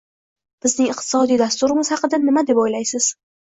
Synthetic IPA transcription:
b̥ɪznɪŋɨqt̪ʰɪ̥sɒd̪ijd̪ast̪ʊɾɪmɪzhɑqɨd̪anɪmad̪e̞pojlajsɪz̥

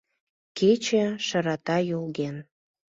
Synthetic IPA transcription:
ket͡ɕĕʃə̆ɾɑt̪ɑjolɣen

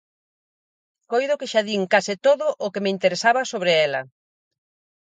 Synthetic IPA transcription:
kojðʊkeʃaðiŋkasɪt̪oðʊʔːkemeint̪eɾesaβɐsoβɾeɛlɐ̰

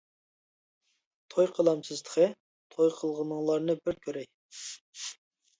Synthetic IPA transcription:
t̪ʰojqʰəlˠɑmsɨzt̪ə̥qʰə | t̪ʰojqʰəlˠʁənəŋlˠɑɾnɨbɪɾkʲʰøɾɛj

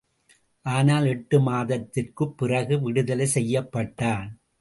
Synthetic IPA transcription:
ʔaːnaːlɛʈːɯmaːðɐt̪ːɪrkɯpːɪrɐɣɯʋɪɽɯðɐlɐsɛjːɐpːɐʈːaːn

